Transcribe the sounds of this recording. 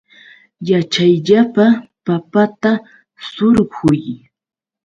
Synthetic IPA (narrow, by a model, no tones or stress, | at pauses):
jat͡ʃajʎapapapat̪a | sʊɾɢʊj